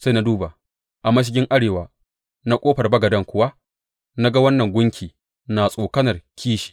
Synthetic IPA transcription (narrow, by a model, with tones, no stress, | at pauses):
sa˦˨na˦duː˦ba˨ | ʔa˨mɐ˦ʃ̬ɪ˦ɡʲɪ˦ŋʔa˦ɽeː˨waː˨ | na˦kʷʼoː˦ɸɐ˨rbɐ˦ɡɐ˨dɐ˦ŋkʷʊ˦wa˦ | na˦ɡa˦wɐ˦nːɐ˨ŋɡʷʊ˦ŋkʲʰiː˨ | naː˨sʼoː˨kɐ˦nɐ˨rkʲʰiː˦ʃi̥˨